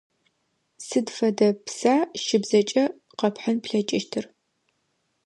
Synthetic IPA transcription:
sɨdfɐdɐpsaːʃɪbzɐt͡ʃʼɐ | qɐpħɐnpɬɐt͡ʃʼɪʃtʰɨr

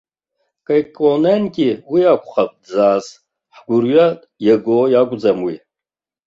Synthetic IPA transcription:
kʼajkʼonankʲʼiwiakʷʰʼχap̚ʰʼd͡zaːz | ħɡʷʊrɥa | jaɡojakʷʼd͡zamwi

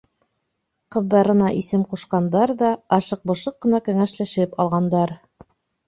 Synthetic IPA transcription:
qɤ̆ðːɑɾɤ̆nɑʔisɘmquʃqɑnd̪ɑɾðɑɑʃɤq̚bŏʃɤqːɤ̆nɑkæŋæʃlæʃɘpɑlˠʁɑnd̪ɑɾ

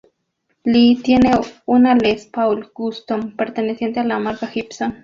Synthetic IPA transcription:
lit̪jeneunalespawlɡust̪ompeɾt̪enesjent̪ealamaɾkaxipson

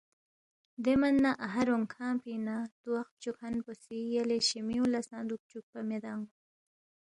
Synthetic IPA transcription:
d̪emanːaʔaɦaɾoŋkʰãːpinat̪uwaxt̪̚t͡ʃukʰanposijaleʃimiulasɑ̃ːd̪uk̚t͡ʃuk̚pamed̪ɑŋ

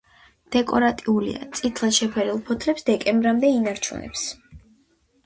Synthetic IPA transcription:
d̪̥ɛkʼɔɾat̪ʼiulḭa̰t̪sʼit̪ʰlˠḁʃɛpʰɛɾilˠpʰɔt̪ʰlɛpsd̪ɛkʼɛmbɾamd̪ɛinaɾt͡ʃʰṵnɛ̰ps

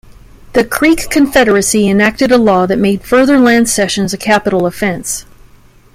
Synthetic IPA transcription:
ðɨkʰɹ̥ikʰːɨ̃ɱfɛɾə˞ɨsiɨ̃næk̚tɨɾəlɔðɨt̚meɪd̥fɜ˞ðə˞læ̃nd̥sɛʃɨ̃nzɨkʰæpəɾl̩ˠəfɛ̃ns

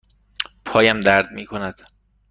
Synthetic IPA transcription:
pʰɒːjæmd̪æɾd̪miːkʰonæd̪̥

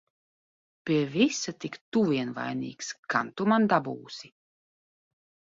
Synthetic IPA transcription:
pʲiɛvisat̪ikt̪uviɛnva̰jnḭːkska̰nt̪umand̪abuːsi

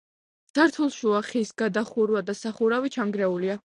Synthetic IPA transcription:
d̪̥aɾt̪ʰulˠʃuaχisɡad̪aχuɾwad̪asaχuɾavit͡ʃʰaŋɡɾɛulia

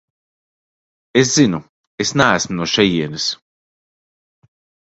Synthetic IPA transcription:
es̬zinu | esnaæsmunuɔʃɛjiɛnɨs

